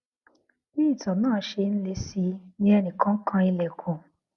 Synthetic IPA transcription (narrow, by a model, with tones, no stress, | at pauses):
bi˦i˦˨tɔ̃˨nãː˦˨˦ʃe˧n̩˦le˧si˧nĩ˧˦ɛ˧nĩ˨kã˨˦kʰã˧i˧lɛ˨kʰũ˨